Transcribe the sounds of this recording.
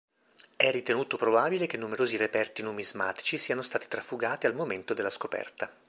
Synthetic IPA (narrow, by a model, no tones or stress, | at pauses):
ɛrːit̪enuːt̪opɾobaːbilek̟enːumeɾoːzirepɛrt̪inumizma̰ːt̪i̥t͡ʃisiːanost̪aːt̪i̥t̪ɾafːuɡaːt̪ialmoment̪od̪elːaskopɛ̰rt̪a